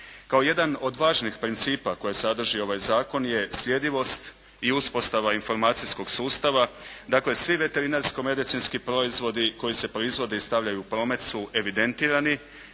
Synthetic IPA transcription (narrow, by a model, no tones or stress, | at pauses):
kao̞je̞d̪ano̞d̪ʋaːʒnixpɾint̪siːpako̞jesad̪r̩ʒio̞ʋajzaːko̞nje̞slʎʲe̞d̪iʋo̞st̪ | iuspo̞st̪aʋainfo̞ɾmaːt̪sisko̞ɡ̥suːst̪aʋad̪akle̞sʋiʋe̞t̪e̞ɾinaɾsko̞me̞d̪it̪sinskipɾo̞izʋo̞d̪iko̞jise̞pɾo̞izʋo̞d̪e̞ist̪aʋʎajuːpɾo̞ːme̞t̪suʔe̞ʋid̪e̞nt̪iːɾani